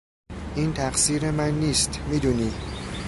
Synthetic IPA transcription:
ʔiːnt̪ʰæqsiːɾemænːiːst̪miːd̪uːniː

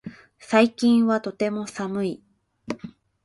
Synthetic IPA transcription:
saikʲĩɰ̃βat̪o̞t̪e̞mo̞samɯ̟i

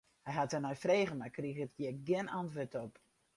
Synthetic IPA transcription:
hɛjɦatənɔjfreːɣənmakriɣətjɪɡɪnʔantʋətɔp

